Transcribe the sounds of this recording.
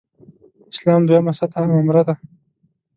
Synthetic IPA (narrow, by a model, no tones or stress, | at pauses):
ɪ̥slɑːmd̪ujamasat̪amamɾad̪a